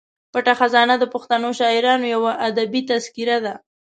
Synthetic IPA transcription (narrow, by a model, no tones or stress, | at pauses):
paʈaxazɑnad̪əpʊxt̪anoʃɑɪɾɑnojawaʔːd̪abit̪askiɾad̪a